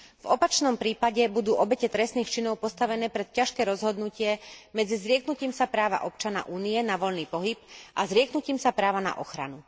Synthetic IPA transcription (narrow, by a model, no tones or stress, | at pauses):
vɔpat͡ʃnɔmpɾiːpaɟɛbud̪uːʔɔbɛcɛt̪ɾɛst̪niːxt͡ʃinɔʊpɔst̪aʋɛnɛːpɾɛt̪̚caʃkɛːɾɔzɦɔd̪nucɪɛmɛd͡zizɾɪɛknuciːmsapɾaːʋa̰ʔɔp̚t͡ʃana̰ʔuːnijɛnaʋɔʎniːpɔɦipʔazɾɪɛknuciːmsapɾaːʋana̰ʔɔxɾa̰nu